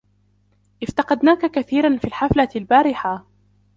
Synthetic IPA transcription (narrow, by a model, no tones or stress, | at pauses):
ʔɪft̪ɑqɑd̪naːkakaθiːɾanfiːlħaflalbaːɾɪħa